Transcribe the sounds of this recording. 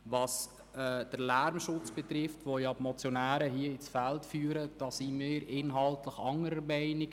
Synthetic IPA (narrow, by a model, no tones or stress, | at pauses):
ʋɑs | ɛd̥əɾlæɾmʃʊt͡sb̥ɛtɾɪftʋojɑbmɔt͡sjonæːɾəɦiəɪsfæltfyːɾəd̥ɑːsimɪːɾɪnɦɑltləχɑŋəɾəmɛɪnɪɡ